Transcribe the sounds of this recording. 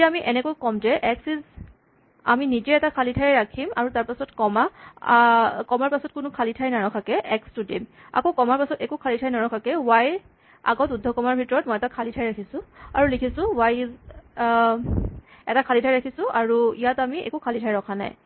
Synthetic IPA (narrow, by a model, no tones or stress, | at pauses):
amiʔɛnɛkojkɔmd͡ʒɛʔɛksiz | a̰minid͡ʒɛɛtakʰalitʰajɛɹakʰima̰ɹutaɹpasɔtkɔma | kɔmaɹpasɔt̚kʊnʊkʰalitʰajnaɹɔkʰakɛʔɛkstudim | a̰kokɔmaɹpasɔtɛkukʰalitʰajnaɹɔkʰakɛwaj | a̰ɡɔtudʱːɔkɔmaɹbʱitɔɹɔt̚mɔjɛtakʰalitʰajɹakʰisʊ̃aɹulekʰisʊ̃wajz | ɛtakʰalitʰajɹakʰisʊ̃aɹuijatamiɛ̰kukʰalitʰajɹɔkʰana̰j